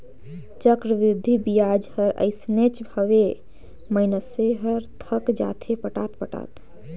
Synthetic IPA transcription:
t͡ʃəkɾəʋɾɪd̪ʱːibijad͡ʒhəɾə̰ɪsnet͡ʃbʱəʋe | məɪnəseɦəɾt̪ʰəkd͡ʒa̰ːt̪ʰepəʈa̰ːt̪pəʈa̰ːt̪

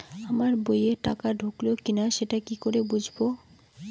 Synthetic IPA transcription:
amaɾbojeʈakaɖʱoklookinaʃeʈakikoɾebud͡ʑʱbo

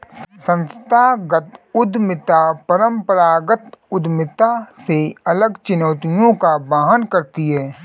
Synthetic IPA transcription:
ssə̃nst̪ʰaɡət̪ʊd̪mɪt̪apɐɾə̃mpəɾaːɡət̪ʊd̪mɪt̪aseɐləɡt͡ʃʊnɔːt̪ijõkabaːɦənkɐɾt̪iɦɛː

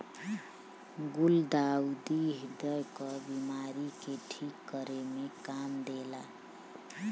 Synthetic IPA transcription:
ɡuld̪aud̪iɦd̪əjkɔbimaɾikeʈʰikːəɾemekamd̪ela

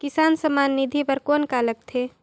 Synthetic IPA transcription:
kɪsaːnsəmaːnːid̪ʱipɐɾkoːnkaːlək̚t̪ʰeː

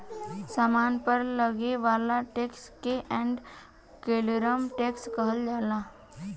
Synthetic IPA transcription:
saːmaːnpəɾləɡeʋaːlaʈeːkskeʔɛ̃ːɳɖ | keːlɾəmʈeːkskəɦəld͡ʒaːlaː

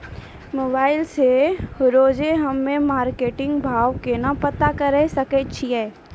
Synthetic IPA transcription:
moːbaːɪlseɾoːd͡ʒeɦɐmːẽmaːɾkeːʈɪ̃ŋɡbʱaːʋkenapət̪akɐɾɛsɐkət͡ʃʰiɛː

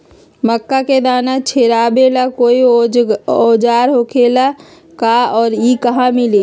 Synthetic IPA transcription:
məkːaked̪aːnat͡ʃʰeɾaːbelakoi | od͡ʒaːɾɦokʰela | kaɔːɾikəɦãmile

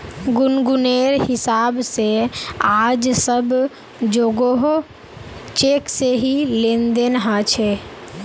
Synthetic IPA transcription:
ɡʊnɡʊneːɾhɪsaːbsead͡ʒsəb | d͡ʒoːɡoɦo | t͡ʃekseɦilend̪enɦat͡ʃʰe

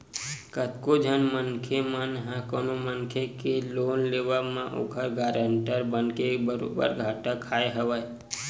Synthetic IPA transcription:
kət̪kod͡ʒʱənmənkʰemənɦãkonomənkʰekeloːnleːʋəmãʔo̰ɡʰʱəɾɡaːɾəɳʈəɾbənkebəɾobə̰ɾɡʱaːʈakʰaːeɦəʋə

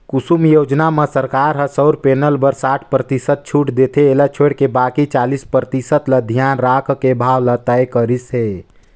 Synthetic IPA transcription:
kusumjod͡ʒnamesəɾkaɾɦəsəʊɾpenəlbəɾsaʈʰpɾət̪isət̪̚t͡ʃʰuʈd̪et̪ʰeːlat͡ʃʰoeɽkebakit͡ʃalispɾət̪isət̪ləd̪ʱjanɾakʰkebʱawlət̪əjkəɾisɦe

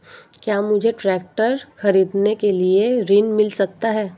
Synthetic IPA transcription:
kjaːmʊd͡ʒʱeʈɾɛːk̚ʈəɾxɐɾiːd̪nekelieɾiːnmɪlsɐk̚t̪aɦɛː

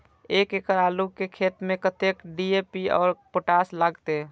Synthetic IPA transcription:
eːkekəɾaːlukekʰeːt̪mẽkət̪ekɖiepiɔ̰ːɾpoʈaːslaɡt̪e

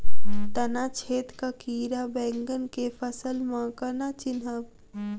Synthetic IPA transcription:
t̪ɐnaːt͡ʃʰeːt̪kakiːɾabɛ̃ːŋɡənkefʰəsəlmãːkənat͡ʃɪnɦəʋ

